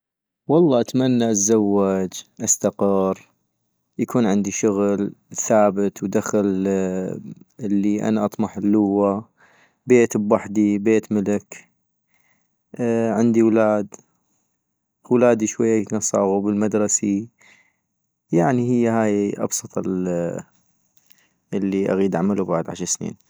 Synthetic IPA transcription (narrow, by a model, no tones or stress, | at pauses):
wɑlˤːɑːʔat̪manːaʔazːawːad͡ʒʔast̪aqɪr | jakʰuːnʕɪnd̪iʃʊɣlθaːbət̪wd̪axal | ʔɪlːiʔa̰naʔɑt̪ˤmɑħɪlːʊwːa | beːt̪bwaħd̪ibeːt̪mɪlɪk | ʕɪnd̪iwlaːd̪ | wlaːd̪iʃwajːanɑsˤɑ̰ːɣubəlmad̪ɾˤɑsi | jaʕnihəjːahaːjʔɑ̰bsˤɑt̪ˤl | əlːiʔa̰ɣiːd̪ʔaʕmalubaʕd̪ʕa̰ʃɑɾˤsnḭːn